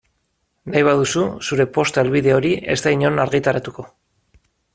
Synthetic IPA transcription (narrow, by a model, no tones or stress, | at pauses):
najβ̞aðususuɾe̞po̞st̪elβiðe̞o̞ɾiʔe̞̰zt̪aiɲo̞naɾɣit̪aɾat̪uko̞